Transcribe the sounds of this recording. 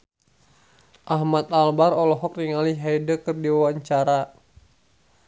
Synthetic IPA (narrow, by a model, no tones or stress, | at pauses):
ʔahmat̪̚albarɔlɔɦɔk̚niŋaliɦaidəkɨrdiwawaɲt͡ʃaɾa